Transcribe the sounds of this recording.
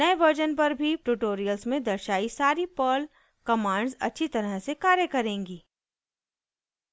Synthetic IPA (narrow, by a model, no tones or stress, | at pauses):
nɐeʋəɾd͡ʒənpɐɾbʱiʈuʈoːɾijəlsmẽd̪ɐɾʃaːisaːɾipəːl | kɐmãːɳɖzɐ̰tːʃʰit̪ɐɾəɦsekaːɾjəkɐɾẽːŋɡiː